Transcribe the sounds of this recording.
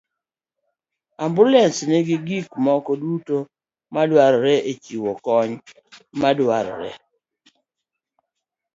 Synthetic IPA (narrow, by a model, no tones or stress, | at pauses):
ambulɛnsnɪɡɪɡikmɔkɔduto | madwaɾɾɛʔet͡ʃiwɔkɔɲ | madwaɾɾɛ̰